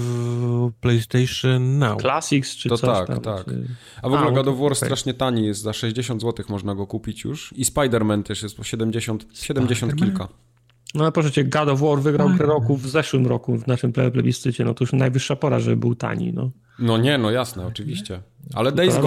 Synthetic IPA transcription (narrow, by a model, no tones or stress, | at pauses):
plɛjst̪ɛjʂɛnːawklasʲikst͡ʂɨɔt̪akt̪t̪ak | avɔɡulɛɡad̪ɔvwɔɾst̪ɾaʂɲɛt̪aɲijɛst̪zaʂɛʑd͡ʑeɕɔnd̪zwɔt̪ɘxmɔʐnaɡɔkupʲit͡ɕjṵʂispajd̪ɛɾmɛnt̪ʰɛʂjɛst̪pɔɕɛd̪ɛmd͡ʑeɕɔnt̪ɕɛd̪ɛmd͡ʑeɕɔnt̪̚kʲilka | nɔlɛpɾɔʂɛt͡ɕɛɡad̪ɔvwɔɾvɘɡɾawkɾɛɾɔkuvzɛʂwɘmɾɔkuvnaʂɘmplɛjɔplɛ̰bʲist̪ɘt͡ɕɛnɔt̪ɔjuʂnajvɘʂːapɔɾa̰ʐɛbɘwt̪a̰ɲḭnɔ̰ | nɔɲɛnɔjasnɛɔt͡ʂɘvʲiɕt͡ɕɛa̰lɛd̪ɛjɡ